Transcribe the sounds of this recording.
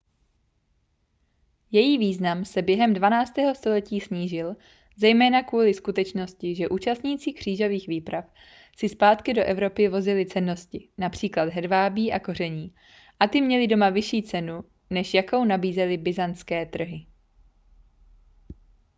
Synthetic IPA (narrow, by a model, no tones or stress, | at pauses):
jɛjiːviːznamsɛbjɛɦɛmdvanaːt͡st̪ɛːɦo̞st̪o̞lɛciːsɲiːʒɪl | zɛjmɛːnakvuːlɪskut̪ɛt͡ʃno̞scɪʒɛʔuːt͡ʃast̪ɲiːt͡sikr̝̥iːʒo̞viːxviːpɾaf | sɪspaːt̪kɪdo̞ʔɛvɾo̞pɪvo̞zɪlɪt͡sɛnːo̞scɪnapr̝̥iːklad̪ɦɛdvaːbiːʔako̞r̝ɛɲiː | ʔat̪ɪmɲɛlɪdo̞mavɪʃiːt͡sɛnu | nɛʃjako̞wnabiːzɛlɪbɪzant̪t͡skɛːt̪r̩ɦɪ